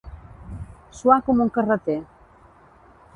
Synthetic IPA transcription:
suakomoŋkarat̪e

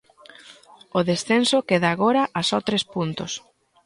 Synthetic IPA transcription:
oðesθensokeðaːɣoɾaʔasɔt̪ɾespunt̪ʊs

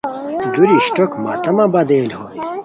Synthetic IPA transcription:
d̪uɾiɕʈokma̰ːt̪ɐmabɐd̪eːlhoi

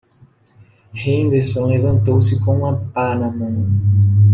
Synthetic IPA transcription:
hẽnd̪esõlevɐ̃nt̪owsɪkõũɐpanɐ̃mɐ̃

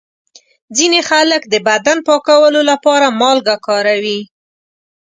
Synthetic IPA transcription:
d͡zinexaləkd̪əbad̪anpɑkawəlolapɑɾamɑlɡakɑɾawi

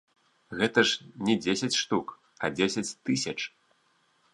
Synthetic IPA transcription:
ɣɛt̪ɐʂnʲɛd͡zʲesʲɐt͡sʲʂt̪uk | ɐd͡zʲesʲɐt͡sʲt̪ɨsʲɐt͡ʂ

